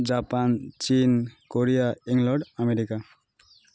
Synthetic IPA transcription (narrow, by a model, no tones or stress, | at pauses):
d͡ʒapant͡ʃinkoɾijaiŋlɔɖameɾika